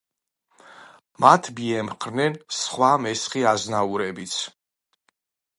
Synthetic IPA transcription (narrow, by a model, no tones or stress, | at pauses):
mat̪ʰbiɛmχɾnɛnsχwamɛsχiaznauɾɛbit̪sʰ